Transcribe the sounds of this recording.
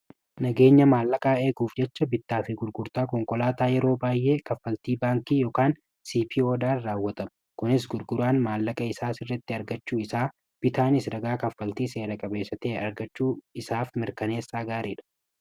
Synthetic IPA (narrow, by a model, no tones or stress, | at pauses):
nɐɡe̞ːɲːɐmaːlːɐkʼaːe̞ːɡuːfd͡ʒɛt͡ʃːɐbɪt̪ːaːfɪɡʊɾɡʊɾt̪aːkɔŋkɔlaːt̪aːjɛɾo̞ːbaːjʔe̞ːkɐfːɐlt̪iːbaːŋkiːjoːkaːn | siːpʰiːoːd̪aːraːwːɐt̪ɐmɐkʊnɪs̬ɡʊɾɡʊɾaːnmaːlːɐkʼɐɪsaːsɪrːɐt̪ːɪɐɾɡɐt͡ʃːuːɪsaː | b̥ɪt̪aːnɪsɾɐɡaːkɐfːɐlt̪iːse̞ːɾɐkʼɐbe̞ːsɐt̪eːɐɾɡɐt͡ʃːuːɪsaːfmɪɾkɐne̞ːsːaːɡaːɾiːᶑɐ̥